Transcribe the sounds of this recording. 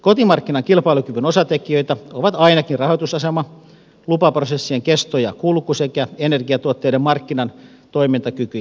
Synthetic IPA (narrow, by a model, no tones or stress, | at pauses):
kot̪imɑrkːinɑŋkilpɑilukyʋynosɑt̪ekiøit̪æoʋɑt̪ɑinɑkinrɑhot̪usɑsemɑ | lupɑprosesːieŋkest̪ojɑ̰kulkusekæenerɡiɑt̪uot̪ːeidemmɑrkːinɑn | t̪oimint̪ɑkyky